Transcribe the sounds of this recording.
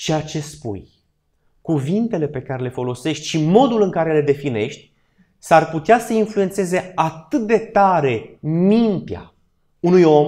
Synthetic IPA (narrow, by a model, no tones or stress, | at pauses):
t͡ʃejat͡ʃe̞spṵj | kuvint̪e̞le̞pe̞kaɾe̞le̞fo̞lo̞se̞ʃt̪ʲʃimo̞d̪ulɨŋkaɾe̞led̪e̞fine̞ʃt̪ʲ | sarput̪easəinfluent̪se̞ze̞at̪ɨt̪̚d̪e̞t̪aɾe̞mint̪ea̰ | unujo̞m